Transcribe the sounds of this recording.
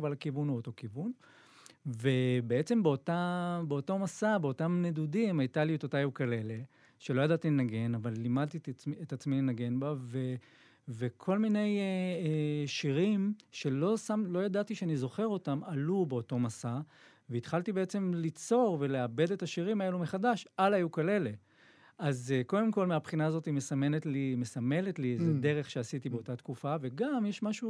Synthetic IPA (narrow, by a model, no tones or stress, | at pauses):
valakivunuoto̞kivun | ve̞be̞e̞t͡se̞mbeotabeo̞to̞masabeo̞tamnedudimaitaljut̪otajukale̞le̞ | ʃe̞lo̞jad̪at̪ile̞naɡe̞navalːimad̪̚t̪iietat͡smile̞naɡe̞nbave | ve̞kʰo̞lmine̞jeeʃiʁimʃe̞lo̞samlo̞jadat̪iʃeanizo̞χe̞ʁo̞tamalubeo̞to̞masa | veit̪χaltibe̞et͡se̞mlit͡so̞ʁve̞le̞abe̞detaʃiʁimae̞lumeχadaʃʔalajukale̞le̞ | azko̞d̪e̞mko̞lmeapχinaːzo̞time̞same̞netlime̞same̞letlized̪e̞ʁe̞χʃeasit̪ibeo̞tat̪kufave̞ɡamjeʃmaʃu